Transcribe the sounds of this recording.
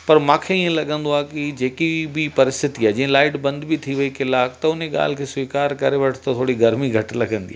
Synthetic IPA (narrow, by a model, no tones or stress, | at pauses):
pɐɾmãːkʰeiẽlɐɠə̃nd̪oaːkid͡ʑeːkibɪpɐɾɪst̪ɪt̪iaːɦed͡ʑĩɦə̃laːɪʈbɐ̃nd̪bit̪ʰiʋɐikɪlaːkt̪ɐʊneɠa̰ːl̤ɪkʰeːsʋiːkaːɾkɐɾeʋɐʈʰt̪ɐt̪ʰoːɽiɡɐɾmiɡʱɐʈlɐɠə̃nd̪iaː